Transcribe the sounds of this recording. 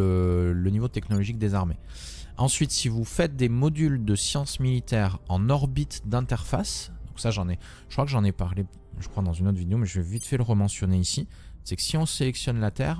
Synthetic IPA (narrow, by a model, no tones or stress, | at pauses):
ələnivot̪ɛknɔlɔʒik̚d̪ezaʁme | ɑ̃sɥit̪sivufɛt̪̚d̪emɔd̪yld̪əsjɑ̃smilit̪ɛʁɑ̃nɔʁbit̪d̪ɛ̃t̪ɛʁfasd̪ɔ̃ksaʒɑ̃nɛ | ʒ̥əkχwakʒɑ̃nepaʁle | ʒəkχwad̪ɑ̃zynot̪χvid̪eomɛʒəvɛvit̪fɛləʁəmɑ̃sjɔneisi | sɛkə̥siɔ̃selɛksjɔnlat̪ɛːʁ